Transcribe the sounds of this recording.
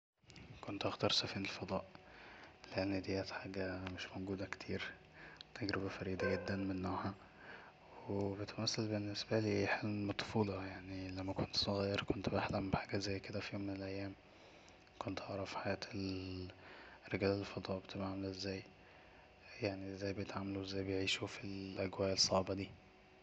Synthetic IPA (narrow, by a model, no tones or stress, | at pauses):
kont̪ʔɑxt̪ɑɾˤsæfiːnelfɑd̪ˤɑːʔ | leʔenːid̪ejæːt̪ħaːɡæmeʃmoɡuːd̪æke̥t̪ʰiːɾ | t̪ʰæɡɾebæfæɾiːd̪æɡed̪ːænmenːoʕhæ | webet̪mæsːælbenːesbæliːħelmmɑt̪ˤːfuːlɑjaʕnilæmːækont̪sˤoɣæːjːɑɾkont̪baħlæmbeħaːɡæʔzæːjːked̪æfijoːmːenelʔæjːæːm | kont̪ʔɑʕɾˤɑfħajæːt̪el | reɡæːlelːfɑt̪ˤɑbet̪ebaʕmælʔezːæːj | jaʕniezːæːjbejet̪ʕamːæluwezːæːjbejeʕiːʃufilʔæɡwæːʔelsˤːɑʕbɑd̪iː